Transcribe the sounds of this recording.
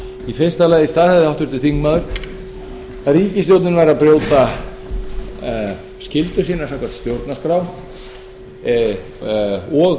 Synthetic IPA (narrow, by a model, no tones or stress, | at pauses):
ife̥st̪alaɣðɪst̪aːðθɛðawt̪ʏɾt̪ɪθiŋkmaðʏɾ̥ | ariːcɪst̪jowt̪nɪnvajɾaðpɾjoːwt̪a | scɪlt̪ʏ̥siːnasawkʰvaɾ̥t̪st̪jowɾt̪naskɾaw | ɔɣ